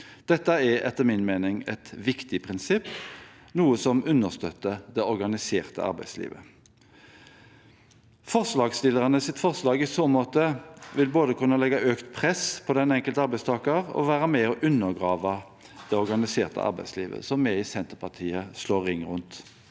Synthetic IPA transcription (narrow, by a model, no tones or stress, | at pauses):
d̪̥ɛt̪ːəɛɛ̰t̪ːəʁmɪnmeːnɪŋɛ̰t̪ʋɪkt̪ɪpʰʁɪnsɪpː | nuːəsɔmʉnːəʁst̪œt̪ːəd̪ɛɔʁɡɑnɪseːʁt̪ə̰ɑ̰ʁbæ̰ɪslḭːʋə̰ | fɔʁslɑːɡst̪ɪlːəʁɑnəsɪt̪fɔʁslɑːɡɪsoːmoːt̪əʋɪlboːd̪əkʉnːəlɛɡːɑʔøːkt̪pʰʁɛspʰɔd̪ɛnɛŋkəlt̪əɑɾbæɪst̪ʰɑːkəʁɔ̰ʋæːɾəmɛɔʔʉnːəʁɡʁɑːʋə | d̪̥ɛɔʁɡɑnɪseːʁt̪ə̰ʔɑ̰ɾbæ̰ɪslḭːʋə̰sɔmːɛɪsɛnt̪əpʰɑʁt̪ʰiːəsloːʁɪŋʁʉnt̪